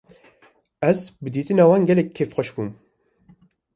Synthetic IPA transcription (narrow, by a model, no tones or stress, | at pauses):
ɛzbɨd̪iːt̪ɨnɑːwɑːnɡɛlɛk̚ʰːeːfxʷɛʃbuːm